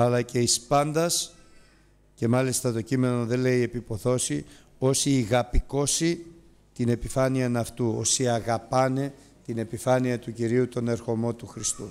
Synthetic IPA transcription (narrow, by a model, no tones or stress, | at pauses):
ɐlɐce̞ispɐnd̪ɐs | ce̞mɐlist̪ɐt̪o̞cime̞no̞ðe̞le̞ie̞pipo̞θo̞si | o̞siːɣɐpiko̞si | t̪ine̞pifɐniɐnɐft̪uo̞̰siɐɣɐpɐne̞ | t̪ine̞pifɐniɐt̪uciɾiut̪o̞ne̞ɾxo̞mo̞t̪uxɾist̪u